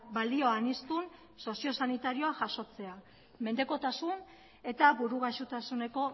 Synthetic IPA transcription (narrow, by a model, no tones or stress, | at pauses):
bald̪io̞anist̪un | so̞sio̞sanit̪aɾio̞aʝaso̞t͡se̞a | me̞nd̪e̞ko̞t̪asun | e̞t̪aβuɾuɣaʃut̪asune̞ko̞